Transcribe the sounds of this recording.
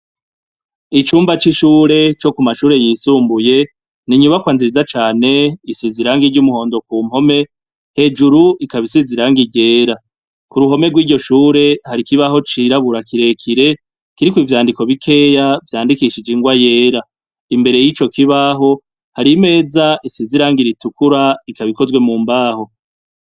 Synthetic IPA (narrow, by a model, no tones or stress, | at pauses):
it͡ʃuːmbat͡ʃiʃuːɾe̞t͡ʃo̞kumaʃuːɾe̞jiːsuːmbuje̞ | niɲuβakwaːnziizat͡ʃaːne̞isiziɾaŋɡiɟumuho̞ːndo̞kuːm̥ho̞me̞ | he̞ːd͡ʒuɾuʔikaβisiziɾaŋɡiɟe̞ːɾa | kuɾuɦo̞me̞ɡwiːɟo̞ʃuːɾe̞haɾikiβaɦo̞t͡ʃiɾaβuɾakiɾe̞kʰiɾe̞ | kiɾikwiːvjaːndiko̞βikʰe̞ːjavjaːndikiʃid͡ʒiŋɡwaje̞ːɾa | imbe̞ɾe̞jit͡ʃo̞kʰiβaɦo̞ | haɾime̞ːzaʔisiziɾaːŋɡiɾitukuɾaikaβiko̞zwe̞muːmbaːho̞